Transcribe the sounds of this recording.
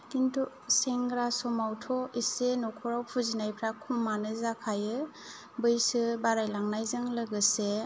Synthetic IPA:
tintʰɔ | seŋɡɾasɔmawtʰɔisenɔkʰɔɾawpʰuzinajpʰɾakʰumːanɯzakʰajɯ | bɯjsɯbaɾajlaŋnajzɯŋlɯɡɯse

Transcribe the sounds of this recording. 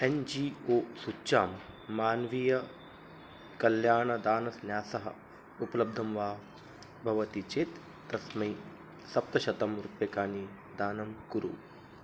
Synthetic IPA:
end͡ʒiːoːsut͡ʃaːmː | aːnʋijɐ | kɐljaːɳɐd̪aːnɐsnjaːsɐɦɐ̰ | upɐlɐb̚d̪ʱɐmʋaː | bʱɐʋɐt̪it͡ʃeːt̪ː | ɾɐsmɐj | sɐp̚t̪ɐʃɐt̪ɐmɾupjɐkaːni | d̪aːnɐmkuɾṵ

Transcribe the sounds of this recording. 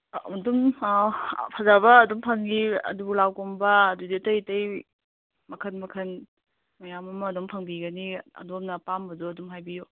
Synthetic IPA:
dum | pʰazabɐːdɔmpʰɐŋɡiɐ̰dubulawkɔmbɐːduditɐjtɐj | mɐkʰɐnmɐkʰɐn | mɐjamɐmɐːdompʰɐŋbiɡɐniɐ̰domnɐpambɐduɐdumɦajbijo

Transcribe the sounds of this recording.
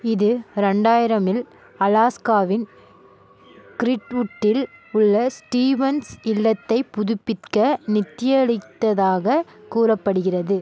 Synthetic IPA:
ɪðɯɾɛɳɖaːjɪɾɐmɪl | ɐlaːskaːʋɪn | kɪɾɪʈʊʈːɪlʊɭːɐsʈiːʋɐnsɪlːɐt̪ːɐɪpːʊðʊpːɪrkɐnɪt̪ːɪjɐɭɪt̪ːɐðaːɣɐkuːrɐpːɐɽɯɣɪrɐðɯ

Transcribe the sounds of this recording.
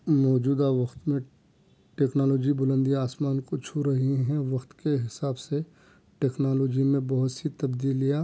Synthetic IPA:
mɔːd͡ʒuːd̪aʋɐxt̪mẽ | ʈeːknaːloːd͡ʒibʊlə̃nd̪iaːsmaːnkot͡ʃʰuɾɐɦiɦɛ̃ʋɐxt̪keɦɪsaːbse | ʈeːknaːloːd͡ʒimẽbɐɦʊt̪sit̪ɐbd̪iːlija

